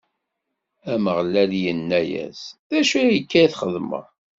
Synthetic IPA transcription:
æməʁlæljənːæjæ̰sðæʃijəkːæθχəðmə̰

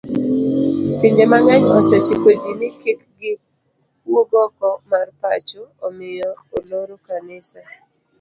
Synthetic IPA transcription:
piɲd͡ʒemaŋɛɲɔsɔt͡ʃikod͡ʒinɪkɪkɡɪ | woɡɔkɔmarpa̰t͡ʃoomɪjɔoloɾokanɪsa

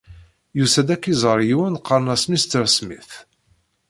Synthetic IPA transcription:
jusæd̪ækːizˤəɾˤjiwænqʰːɑɾnɑsmist̪ːəɾsmḭθ

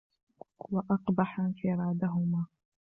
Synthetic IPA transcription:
waʔɑqbɑħanfiɾˤɑːd̪aɦʊmaː

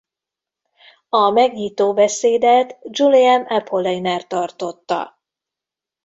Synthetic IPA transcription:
ɒmɛɡɲiːt̪oːbɛseːd̪ɛt̪d͡ʒuliɛmɛpʰolːɛjnɛrt̪ɒrt̪o̞t̪ːɒ̰

